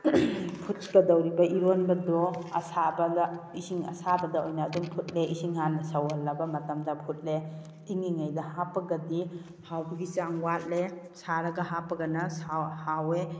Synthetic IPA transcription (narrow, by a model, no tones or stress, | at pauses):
pʰut̚kɐdawɾibɐʔiɾonbɐdɔɐ̰sabɐdisiŋɐ̰sabɐdaojnaːdumpʰut̚leisiŋhanɐsawalːɐbɐmɐtɐmdɐpʰut̚le | iŋiŋajdɐhapɐɡɐdi | hawbɐɡit͡ʃaŋwat̚le | saɾɐɡɐɦapɐɡɐnɐsahawe